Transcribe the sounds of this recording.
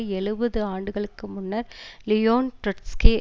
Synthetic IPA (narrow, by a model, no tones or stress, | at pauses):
ɛɻɯbɐðɯaːɳɖɯɣɐɭɯkːɯmʊnːɐɾlɪjoːnʈɾɐʈskeː